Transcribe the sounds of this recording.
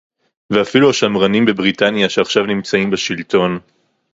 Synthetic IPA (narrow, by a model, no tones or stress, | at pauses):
veafiluaʃamʁanimbe̞bʁitanjaʃeaχʃavnimt͡saimbeʃilto̞n